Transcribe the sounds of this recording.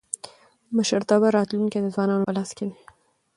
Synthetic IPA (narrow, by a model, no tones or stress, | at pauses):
məʃəɾt̪abaɾɑt̪lunked̪əzwɑnɑnopəlɑskeni